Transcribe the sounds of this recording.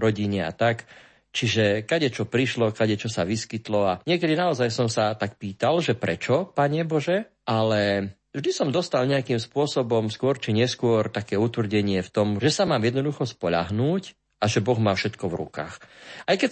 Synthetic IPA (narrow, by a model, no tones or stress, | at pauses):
ɾɔɟiɲɛa̰t̪ak | t͡ʃiʒɛkaɟɛt͡ʃɔpɾiʃlɔkaɟɛt͡ʃɔsaʋiskit̪lɔaɲɪɛkɛd̪inaɔzajsɔmsat̪ak̚piːt̪alʒɛpɾɛ̰t͡ʃɔpaɲɛbɔʒɛ | ʔalɛ | vʒd̪isɔmd̪ɔst̪alɲɛakiːmspʊɔsɔbɔmskʊɔɾt͡ʃiɲɛskʊɔɾt̪akɛːut̪ʋr̩ɟɛɲɪɛft̪ɔmʒɛsamaːmjɛd̪nɔd̪uxɔspɔʎa̰ɦnuːc | aʒɛbɔɣmaːfʃɛt̪kɔvɾṵka̰ːxajkɛ